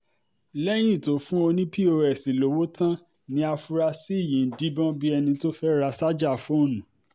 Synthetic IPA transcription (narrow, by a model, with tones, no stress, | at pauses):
lɛ˦j̃ĩ˦˨to˨˦fũ˦o˧nĩ˦pʰi˦o˧ɾɛ˨si˨lo˨˦wo˦tã˦ | nĩ˨˦a˧fu˧ɾa˧si˦i˦˨jĩ˨˦˨n̩˨di˦bɔ̃˦bi˦ɛ˧nĩ˧to˦fɛ˦ɾa˧sa˦d͡ʒa˦˨fũ˦o˦˨nũ˨˦